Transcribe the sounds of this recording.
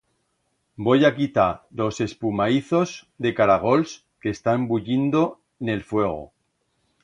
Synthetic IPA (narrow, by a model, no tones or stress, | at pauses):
bo̞jakit̪alo̞se̞spumaiθo̞zd̪e̞kaɾaɣ̞o̞ls | ke̞st̪ambuʎind̪o̞ | ne̞lfwe̞ɣ̞o̞̰